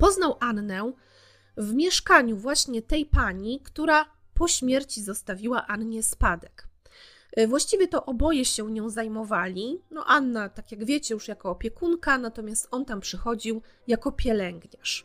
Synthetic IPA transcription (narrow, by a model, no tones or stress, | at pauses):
pɔznawʔanːɛ | vmʲjɛʂkaɲuvwaɕɲɛt̪ɛjpaɲikt̪uɾa | pɔɕmʲjɛɾt͡ɕizɔst̪avʲiwaʔanɲɛspad̪ɛk | vwaɕt͡ɕivʲjɛt̪ɔʔɔbɔjɛɕɛɲɔ̃w̃zajmɔvalʲinɔ̰ʔanːat̪akʲjaɡvʲjet͡ɕɛjuʂjakɔːpʲjɛkunkanat̪ɔmʲjast̪ɔnt̪ampʂɛxɔd͡ʑiwjakɔpʲjɛlɛŋɡɲaʂ